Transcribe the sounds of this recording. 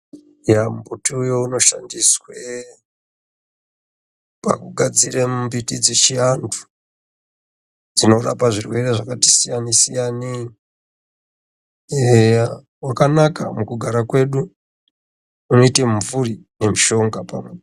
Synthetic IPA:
jamubutiujouno̞ʃandiswe | pa̰kuɡʱad͡ziremmbitid͡zit͡ʃiantʰu̥ | d͡zino̞ra̰paʐirwe̞reʐakati̥sijanisijani | wakanaka̰mukuɡʱaɾakwe̞ɗu | uno̞iteɱvurine̞miʃo̞ŋɡapa̰mwe

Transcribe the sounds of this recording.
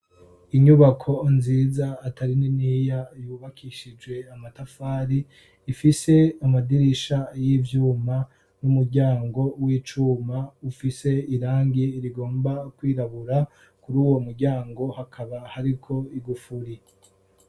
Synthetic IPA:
iɲuβakʰo̞nziːzaːtaɾininijajuːβakʰiʃid͡ʒɡwe̞amatafaːɾiː | fise̞amadiɾiʃajivjuːma | numuɾɟaːŋɡo̞wiːt͡ʃuːmaufise̞iɾaːŋɡiɾiɡo̞ːmbakwiːɾaβuɾa | kuɾuːwo̞muɾɟaːŋɡo̞hakʰaβahaɾikʰo̞iɡufuɾi

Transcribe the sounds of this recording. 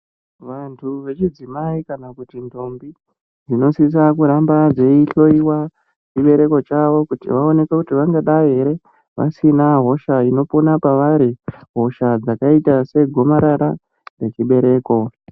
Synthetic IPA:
ʋantʰuʋe̞t͡ʃid͡zimaikanakutintʰo̞mbi | d͡zino̞sis̬akuɾambad͡ze̞iɬo̞iwa | t͡ʃiɓe̞ɾe̞ko̞t͡ʃaʋo̞kutḭʋao̞ne̞kakutiʋaŋɡaɗaeɾe̞ | ʋa̰sinaɦo̞ʃaino̞ponapaʋaɾiɦo̞ʃad͡zakaitase̞ɡʱo̞maɾaɾa | re̞t͡ʃiɓe̞ɾe̞ːko̞

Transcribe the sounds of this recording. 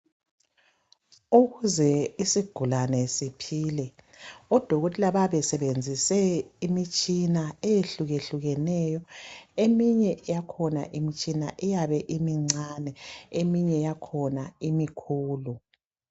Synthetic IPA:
uɣuzɛisiɡ̥ʱulanɛsipʰiːlɛ | ɔd̥ʱoɣotʼilaβaβɛsɛβend͡zʱisɛimit͡ʃʼinaejeɬuɣeɬuɣɛnɛjɔemiɲɛjakʰɔna̰ʔimit͡ʃʼinaʔɛjaβɛʔimiŋ͡ǀanɛemiɲɛjakʰɔnaimikʰuːlu

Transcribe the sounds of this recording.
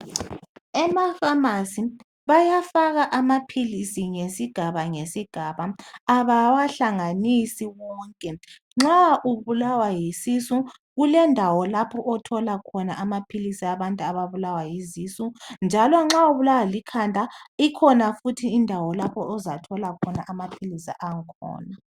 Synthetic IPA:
ɛmafamasi | βajafaɣaʔamapʰilisiŋesiɡ̥ʱaβaŋesiɡ̥ʱaβaːβawaɬaŋanisiwɔːŋkʼɛ | ŋ͡ǁaʔuβulawajisisu | ɣulɛndʱawɔlapʰɔʔɔtʰɔlakʰɔnaʔamapʰilisiaβantʼuaβaβulawajizisund͡ʒʱalɔŋ͡ǁauβulawalikʰandʱʼaikʰɔnafutʰiːndʱawɔlapʰɔʔɔzatʰɔlakʰɔnaʔamapʰilisiʔaŋkʰɔ̰ːna

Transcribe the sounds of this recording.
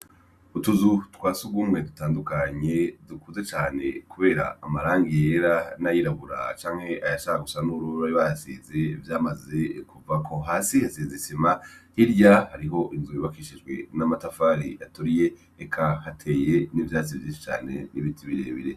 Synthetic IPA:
utuzutwaːsuɡwuːmŋe̞dutaːndukaɲe̞dukʰuzet͡ʃaːne̞̰kuβe̞ːɾa̰ːmaɾaːŋɡijeɾanajiɾaβuɾa̰t͡ʃaːŋ̥he̞ʔajaʃakaɡusanuɾuɾaiβajasḭzevjaːmaze̞kuvakʰo̞ɦasihasizisimahiɾjahaɾiɦo̞ʔinzujiβakiʃid͡ʒɡwe̞̰namatafaːɾḭjatuɾije̞ | ekʰahatʰe̞jenivjaːt͡sivjiːnʃi̥t͡ʃa̰ːne̞̰niβitʰiβiɾḛβḭɾe

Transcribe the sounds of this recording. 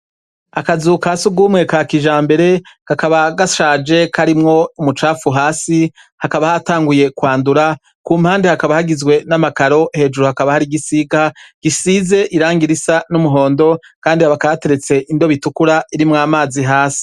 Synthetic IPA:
akazukasuɡuːmŋe̞kakiʒaːmbe̞ɾe̞kakaβaɡaʃaːd͡ʒe̞kʰaɾimŋo̞umut͡ʃaːfuɦaːsi | hakaβahataːŋɡuje̞kwaːnduɾa | kuːmhaːndehakaβahaɡizɡwe̞namakaɾo̞he̞ːd͡ʒuɾuhakaβahaɾiɡisiɡaɡ̥isiːze̞ʔiɾaːŋɡiɾisanumuɦo̞ːndo̞ | kaːndiaβakaβate̞ɾe̞t͡se̞ʔindo̞βitukuɾaiɾimŋaːmaːziɦaːsi̥

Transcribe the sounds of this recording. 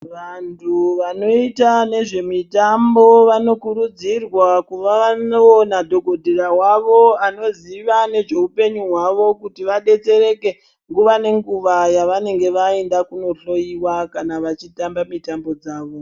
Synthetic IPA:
ʋantʰuʋano̞itane̞ʐe̞mitambo̞ʋano̞kuɾud͡zirwakuʋaʋanoonadʱo̞ɡʱo̞dʱeɾaɦwaʋo̞ano̞ziʋane̞ʐe̞upe̞ɲuɦwaʋo̞kutiʋaɗe̞t͡se̞ɾe̞ke̞ | ŋɡuʋane̞ŋɡuʋajaʋane̞ŋɡe̞ʋae̞ndakuno̞ɬo̞iwakanaʋat͡ʃitambamitambo̞d͡zaːʋo̞

